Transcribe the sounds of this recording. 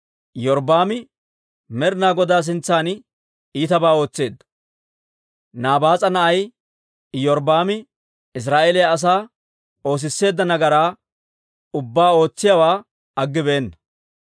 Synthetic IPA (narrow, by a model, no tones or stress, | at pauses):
jɔɾbaːmɪ | mɛɾnaːɡɔd̪aːs̬ɪnt͡sːaːn | iːt̪ɐbaːo̞ːt͡sːe̞ːd̪ːɐ̥ | naːbaːt͡sʼɐnɐʔɐj | jɔɾbaːmɪ | ɪs̬ɾaːʔeːlɪjɐːs̬aː | o̞ːs̬ɪsːe̞ːd̪ːɐnɐɡɐɾaː | ʊbːaːo̞ːt͡sːɪjawaː | ɐɡːɪbeːnːɐ̥